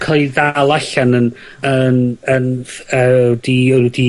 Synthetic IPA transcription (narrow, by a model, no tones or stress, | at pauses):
kʰalˠiðalˠaɬanən | ənənədidi